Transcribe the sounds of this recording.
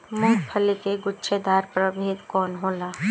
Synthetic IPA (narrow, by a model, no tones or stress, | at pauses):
mʊ̃kpʰɐlekeɡʊtːʃʰed̪aːɾpɾəbʱeːd̪kɔːnɦoːlaː